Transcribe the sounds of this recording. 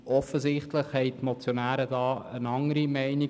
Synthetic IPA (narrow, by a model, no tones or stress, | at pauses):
ɔfəzɪχtləχhɛɪtmɔt͡sjonæːɾədɑːənɑŋəɾimɛɪni